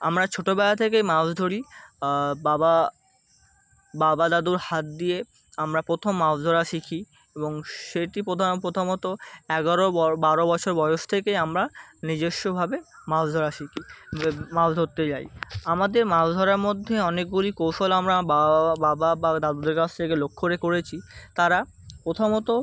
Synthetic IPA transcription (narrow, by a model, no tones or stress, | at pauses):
amɾat͡ɕʰoʈobɛlat̪ʰek̬ejmasd̪ʱoɾi | baba | babad̪ad̪uɾhat̪̚d̪ie | amɾapɾot̪ʰomːad̪ʱɔɾaʃikʰi | eboŋʃeʈipɾod̪ʱanopɾot̪ʰomot̪oɛɡaɾobaɾobɔt͡ɕʰoɾbɔjoʃt̪ʰekejamɾanid͡ʑeʃːobʱabemafd̪ʱɔɾaʃikʰimabd̪ʱot̪ːet͡ɕajamad̪eɾmabd̪ʱɔɾaɾmod̪ʱːeɔnek̚ɡulikowʃolamɾabbababad̪ad̪ud̪eɾkat͡ɕʰt̪ʰekelokʰːoɾekoɾet͡ɕʰit̪aɾa | pɾot̪ʰomot̪o